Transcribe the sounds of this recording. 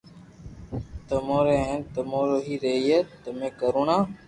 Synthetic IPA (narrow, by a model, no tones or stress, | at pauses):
t̪əmõːɾeːɦent̪əmõːɾoːɦiːɾeːiːeːt̪əmẽːkəɾoːɳãː